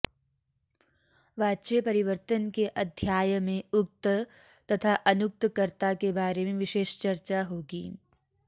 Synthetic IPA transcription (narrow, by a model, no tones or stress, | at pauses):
ʋaːt͡ʃepɐɾɪʋəɾt̪ənkeʔɐd̪ʱjaːjəmẽʊk̚t̪ | t̪ɐt̪ʰaʔɐnʊk̚t̪kəɾt̪akebaːɾemẽʋɪʃeːʃt͡ʃɐɾt͡ʃaɦoːɡḭː